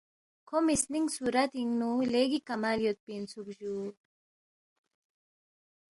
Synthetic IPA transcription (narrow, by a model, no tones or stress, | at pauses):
kʰomisniŋsuɾat̪iŋnuleɡikamaljot̪̚pinsukʒu